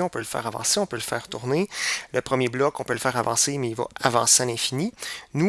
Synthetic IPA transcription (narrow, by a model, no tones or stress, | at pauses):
ɔ̃pøləfɛ̰ːʁavɑ̰̃ːseɔ̃pøləfɛ̰ːʁt̪uʁnelʔəpχəmjeblɔkɔ̃pøləfɛːʁavɑ̰̃ːsemɛilvɔ̰avɑ̰̃sealɛ̃fininu